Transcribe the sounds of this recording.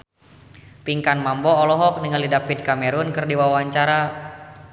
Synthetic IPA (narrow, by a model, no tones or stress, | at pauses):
piŋkanmambɔːlɔɦɔk̚nəŋəlidapit̪̚kamɛɾunkɨrdiwawaɲt͡ʃaɾa